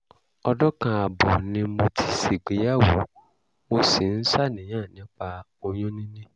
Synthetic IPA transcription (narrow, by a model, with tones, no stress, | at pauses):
ɔ˧dɔ˦kã˧a˨bɔ˨nĩ˧mo˧tʰi˦si˨ɡ͡be˨ja˦˨wo˨ | mo˦si˨n̩˦sa˦˨nɛ̃˨ɲã˦˨nĩ˨˦k͡pa˧ | o˧ɲɔ̃˦nĩ˦nĩ˦